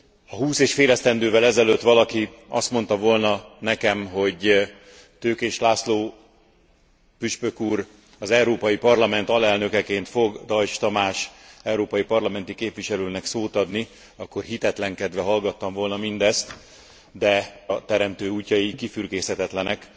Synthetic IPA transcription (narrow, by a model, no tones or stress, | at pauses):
ɒɦuːseːʃfeːlɛst̪ɛnd̪øːvɛlɛzɛløt̪ʋɒlɒkiɒst̪mo̞nt̪ɒvolnɒnɛkɛmɦo̞ɟ | t̪øːkeːʃlaːsloː | pyʃpøkuːr | ɒzɛuɾoːpɒjipɒrlɒmɛnt̪ɒlɛlnø̞kɛkeːnt̪fo̞ɡd̪ɒjt͡ʃt̪ɒmaːʃɛwɾoːpɒjipɒrlɒmɛnt̪ikeːpʋiʃɛløːnɛksoːt̪ɒd̪ni | ɒkːo̞rɦit̪ɛt̪lɛŋkɛd̪ʋɛɦɒlɡɒt̪ːɒɱvo̞lnɒmind̪ɛst̪ | d̪ɛɒt̪ɛɾɛmt̪øːuːcːɒjikifyrɡeːshɛt̪ɛt̪lɛnɛk